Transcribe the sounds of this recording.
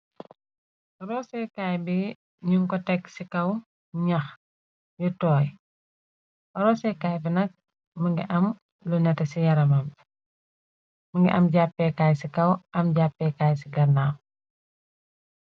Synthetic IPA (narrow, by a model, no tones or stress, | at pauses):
ɾɔsɛkajbi | ɲuŋkɔtɛksikɐw | ɲɐx | jutɔːj | ɔɾɔsɛkaːjbinɐk̚ | mɐŋɡḭʔɐm | lunɛtɐsijɐɾɐmɐm | mɐŋɡɛ̰ʔɐmɟapːɛkaːjsikɐwʔɐmɟapːɛkaːjsiɡɐnaː